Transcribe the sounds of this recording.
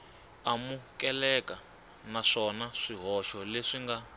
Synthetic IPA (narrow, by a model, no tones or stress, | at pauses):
amukɛlɛka | naʂɔnaʂiɦɔʃɔleʂiŋɡa